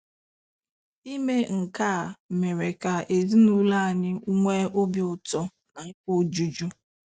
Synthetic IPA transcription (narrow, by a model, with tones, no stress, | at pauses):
i˦me˦ŋ̩˨ka˦˨me˨ɾe˨ka˨e˨zi˦nu˦la˦a˨ɲɪ˦u˦ŋʷe˦o˦bi˨ʊ˨tɔ˦ | na˨ŋ̩˦k͡po˦d͡ʒu˦d͡ʒu˦